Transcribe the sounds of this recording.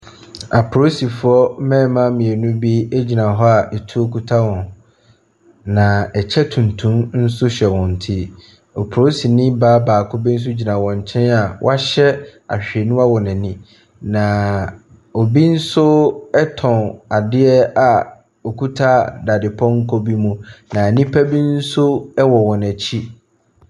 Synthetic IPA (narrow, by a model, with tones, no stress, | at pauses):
a˨pʰɾo˦si˨fʊ˨˦ɔ˦mɛ̃˦mã˦mĩ˨ɛ˨nũ˦bi˦ɛ˦d͡ʑi˨nã˨ɦɔ˦a˨ʔɛ˨tʰu˦o˦kʰu˦tʰa˦wɔ̃˨n | nã˨ɛ˨t͡ɕʰɛ˦tʰũ˨n˨tʰũ˦mn̩˦sʊ˦ɕɛ˨wɔ̃˨n̩˨tʰi˦ | ɔ˨pʰo˦si˨nĩ˦baː˦baː˨kʰʊ˦bi˦n̩˦s̬ʊ˦d͡ʑi˨nã˨wɔ̃˨ɲ˨t͡ɕʰɛ̃˦na˨w̰a˦ɕɛ˦a̰˨ɕᶣɛ˨nʊ̃˦a˦wɔ˨nɪ̃˨nɪ̃˦ | nã˨ | ɔ˨bi˦n̩˦sʊ˦ɛ˦tʰɔ̃˨na˨dɪ˦ɛ˦a˨ | o˨kʰu˦tʰa˦da˨dɪ˨pʰɔ̃˦ŋ̩˦kʰɔ˦bi˦mũ˦nã˨nĩ˦pʰæ˦bi˦n̩˦sʊ˦ɛ˦wɔ˨wɔ̃˨næ˨t͡ɕʰi˦